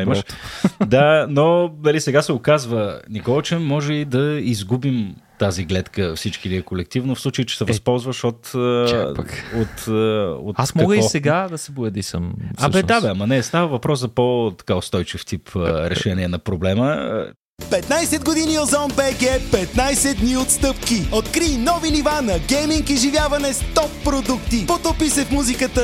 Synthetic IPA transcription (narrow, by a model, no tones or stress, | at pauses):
imʃd̪anonɐlisɛɡasɛʊkazvənikɔlˠt͡ʃɛmːɔʒɛid̪ɐizɡubimt̪aziɡlɛt̪kəfsit͡ʃkiliɛkolɛk̚t̪ivnofslˠut͡ʃəit͡ʃɛ̥sɛvɐspɔlˠzvəʃot̪ | ot̪əo̰t̪asmɔɐɡəivsɛɡad̪ɐsɛbʊjɛd̪isə̰maʃɛd̪abɛɐmɐnɛst̪avəvɐpɾɔszɐpot̪ɐ̥kaost̪ɔjt͡ʃift̪ipʰəɾɛʃʃɛniɛnɐpɾoblɛmə | pɛt̪najsɛd̪ɡod̪iniozɔnbɛɡɛpɛt̪najsɛd̪niot̪st̪ɤpkiot̪kɾinɔvinivanɐɡɛjmiŋkiʒivʲjavɐnɛst̪ɔpːɾod̪ukt̪ipot̪opisɛfmuzikət̪ə